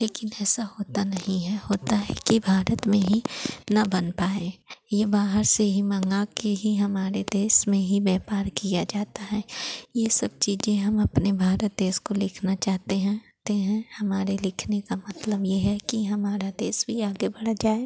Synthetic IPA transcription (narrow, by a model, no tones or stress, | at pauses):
leːkɪnɛːsaɦoːt̪anɐɦĩɦɛhoːt̪aɦɛ̰kibʱaːɾət̪mẽɦinɐbɐnpaːejebaːɦəɾseɦimɐ̃ŋɡakeɦiɦɐmaːɾed̪eːsmẽɦibɛːpaːɾkijad͡ʒaːt̪aɦɛːjesɐb̚t͡ʃiːd͡ʒẽɦɐmɐpnebʱaːɾət̪̚d̪eːskolɪkʰnat͡ʃaːɦt̪eɦɛ̃ | t̪eɦɛ̃hɐmaːɾelɪkʰnekamɐt̪ləbjeɦɛkiɦɐmaːɾad̪eːsbʱiaːɡebɐɽ̤ad͡ʒaːe